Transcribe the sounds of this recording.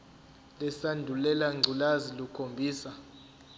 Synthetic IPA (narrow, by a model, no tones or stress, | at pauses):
lɛsandʱulɛlaŋ͡ǀʱulazilukʰombʱiːsa